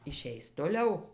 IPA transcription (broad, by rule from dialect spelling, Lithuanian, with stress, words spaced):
ɪˈʃʲɛɪs toːˈlʲɛʊ